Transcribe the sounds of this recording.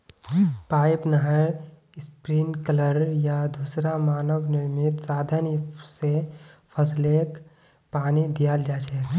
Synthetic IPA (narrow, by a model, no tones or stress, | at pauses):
paːɪpnəɦəɾ | ɪspɾiːnkələɾjad̪uːsɾamaːnəʋnɪɾmɪt̪saːd̪ʱənsepʰəsleːk | paːnid̪ijaːld͡ʒaːt͡ʃɛː